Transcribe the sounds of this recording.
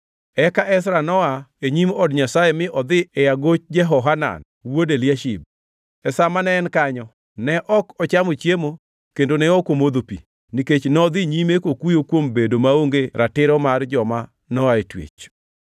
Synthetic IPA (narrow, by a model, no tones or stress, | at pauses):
ɛkaʔɛs̬ɾanɔaeɲimɔdɲasajemɪʔɔd̪ɪɛjaɡot͡ʃd͡ʒɛɦɔɦana̰n | wodeljaʃib̚ | ɛsamanɛːnkaɲɔ | nɛʔɔkɔt͡ʃamot͡ʃjemo | kendonɛɔkomod̪opḭ | niket͡ʃnɔd̪ɪɲimekokujokwombedomaoŋɡeɾatɪɾɔmard͡ʒɔma | nɔaetwḛt͡ʃ